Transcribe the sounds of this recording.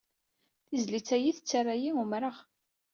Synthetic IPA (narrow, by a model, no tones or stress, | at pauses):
θizlit͡sːæjiθət͡sːarˤajiumɾəʁ